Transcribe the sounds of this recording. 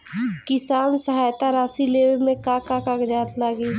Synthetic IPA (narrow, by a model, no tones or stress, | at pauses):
kɪsaːnsəɦaːjt̪aɾaːsileːʋmẽkakakakd͡ʒaːt̪laːɡiː